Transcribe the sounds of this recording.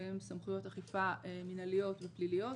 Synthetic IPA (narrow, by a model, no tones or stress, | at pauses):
emsamχujo̞taχifaminalijo̞tveplilijo̞